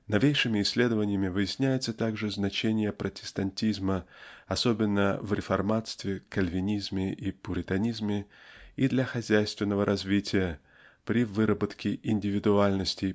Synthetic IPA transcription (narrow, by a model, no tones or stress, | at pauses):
nɐvʲejʂɨmʲɪːsʲːlʲe̞d̪əvənʲɪjəmʲɪvɨjɪsʲnʲæjɪt̪sət̪aɡʐɨznɐt͡ɕenʲɪjəpɾʔətʲɪ̥st̪ɐnʲtʲizməɐso̞bʲɪnːəvɾʲɪfɐrmat̪st̪vʲɪkɐlʲvʲɪnʲizmʲɪʔipʊɾʲɪt̪ɐnʲizmʲɪid̪lʲɐxɐzʲæjst̪vʲɪnːəvəɾʔɐzvʲitʲɪjə | pɾʲɪvɨɾəbət̪kʲɪʔɪnʲdʲɪvʲɪd̪ʊalʲnəsʲtʲɪj